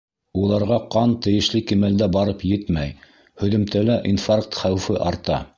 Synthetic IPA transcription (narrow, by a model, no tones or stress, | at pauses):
ulˠɑɾʁɑqɑnt̪ɘ̆jɘ̆ʃlɘkimæld̪æbɑɾɤpjɘt̪mæj | hɵ̆ðɘ̆mt̪ælæʔinfark̚t̪χæwfɘʔɑɾt̪ɑ